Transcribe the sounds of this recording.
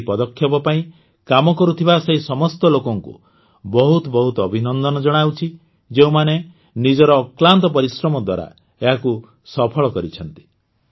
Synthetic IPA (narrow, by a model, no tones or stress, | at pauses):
pɔd̪ɔkʰːjɔbɔpaĩ | kamɔkɔɾut̪ʰibaseɦisɔmɔst̪ɔlokɔŋkṵ | bɔɦut̪ɔbɔɦut̪ɔɔbʱinɔnd̪ɔnɔd͡ʒɔɽ̃awt͡ʃʰi | d͡ʒeũmane | nid͡ʒɔɾɔːklant̪ɔpɔɾisɾɔmɔd̪wa̰ɾa̰ | eɦaku | sɔpʰɔɭɔkɔɾit͡ʃʰɔn̪t̪i̥